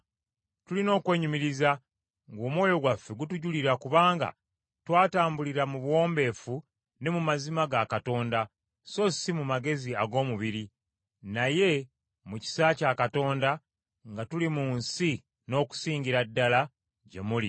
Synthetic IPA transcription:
tulino̞ːkwe̞ːɲumiɾiza | ŋɡoːmwo̞ːjo̞ɡwafːe̞ɡutuɟuliɾakuβaːŋɡa̰ | twaːtaːmbuliɾamuβwo̞ːmbe̞ːfu | ne̞mumazimaɡakato̞ːnda | so̞simumaɡe̞ziaɡo̞ːmuβiɾi | naje̞ | muci̥sacakato̞ːnda | ŋɡatulimunsi | no̞ːku̥siːɲɟiɾadːala | ɟe̞̰mulḭ

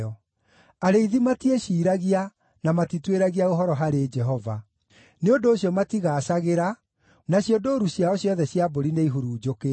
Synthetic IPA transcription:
ɔ | aɾeiðimatieɕiːɾaɣia | namatitweɾaɣiaoɦɔɾɔɦaɾed͡ʒɛɦɔva̰ | neondoːɕjɔmatiɣaːɕaɣeɾa | naɕjondoːɾuɕjaɔɕjɔðɛɕjaboɾineiɦoɾuːd͡ʒoke

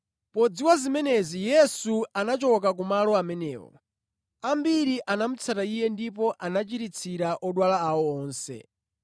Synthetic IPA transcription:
pɔd͡ziwazimɛnɛzijɛsuanat͡ʃɔk̬ak̬umalɔamɛnɛ̰ːwɔ̰ | ambiɾiʔanam̩t͡sʰataijɛndipɔʔanat͡ʃiɾit͡sʰiɾaʔɔɗwalaaɔɔːnsɛ̰

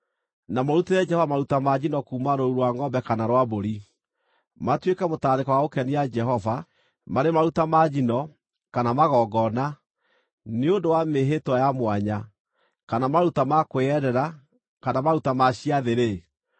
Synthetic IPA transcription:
namoɾuteɾɛd͡ʒɛhɔvamaɾutamad͡ʒinɔkuːmaɾouɾwaŋɡɔbɛkanaɾwaboɾi | matwekamotaːɾekɔwaokɛnijad͡ʒɛɦɔva | maɾemaɾutamad͡ʒinɔ | kanamaɣɔɡɔna | neondowameɦetwajamwaɲa | kanamaɾutamakoɛɾɛɾa | kanamaɾutamaɕiaðeɾe

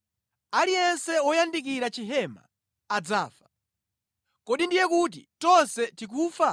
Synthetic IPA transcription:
alijɛnsɛɔjandik̬iɾat͡ʃiɦɛma̰ː | d͡zaːfḁ | kɔɗindijɛkut̬ḭtɔnsɛtik̬uːfa

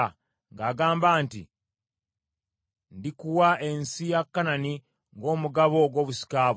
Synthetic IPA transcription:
ŋɡaːɡaːmbaːntḭ | ndikuwae̞nsijakːanani | ŋɡo̞ːmuɡaβo̞ɡwo̞ːβusi̥kaːβ

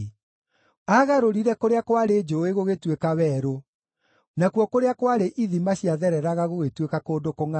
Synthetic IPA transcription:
aɣaɾoɾiɾɛkoɾeakwaɾed͡ʒoeɣoɣetwekawɛːɾo | nakwɔkoɾeakwaɾeʔiðimaɕiaðɛɾɛɾaɣaɣoɣetwekakoːdokoŋa

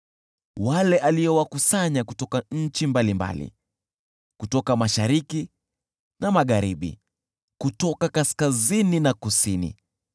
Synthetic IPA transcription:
walɛʔaliɔwakusaɲakutɔkaɲ̩t͡ʃimbalimba̰lḭ | kutɔkamaʃaɾiki | namaɠaɾiɓḭ | kutɔkakaskazininakusinḭ

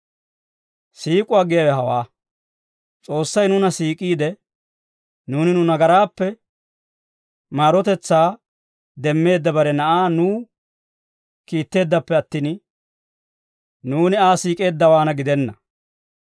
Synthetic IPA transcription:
siːkʼʊaːɡɪjɐwɛɦɐwaː | t͡sʼo̞ːsːɐjnʊnɐsiːkʼiːd̪ɛ | nuːnɪnʊnɐɡɐɾaːpːɛ | maːɾɔt̪ɛt͡sːaː | d̪ɛmːe̞ːd̪ːɐbɐɾɛnɐʔaːnuː | kiːt̪ːe̞ːd̪ːɐpːɛɐt̪ːiːn | nuːnɪaːsiːkʼe̞ːd̪ːɐwaːnɐɡɪd̪ɛnːɐ

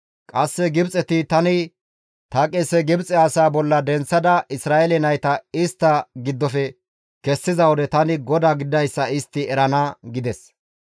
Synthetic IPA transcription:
kʼɐsːɛɡɪbt͡sʼɛt̪ɪt̪ɐnɪ | t̪ɐkʼɛsːɛɡɪbt͡sʼɛɐsaːbɔlːɐd̪ɛnt͡sːɐd̪ɐʔɪsɾaːɛlɛnɐjt̪ɐɪst̪ːɐɡɪd̪ːɔfɛ | kɛsːɪzɐwɔd̪ɛt̪ɐnɪɡɔd̪aːɡɪd̪ɐjsːɐɪst̪ːɪɛɾɐnɐɡɪd̪ɛs

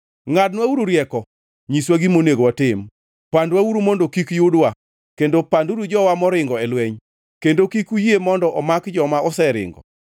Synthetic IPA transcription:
ŋadnwauɾuɾjɛkɔ | ɲiswaɡimoneɡwatɪm | pandwauɾumondokikjudwa | kendopanduɾud͡ʒɔwamɔɾɪŋɡɔɛlweɲ | kendokikujemɔndɔʔɔmakd͡ʒɔmaɔsɛɾɪ̰ŋɡɔ̰

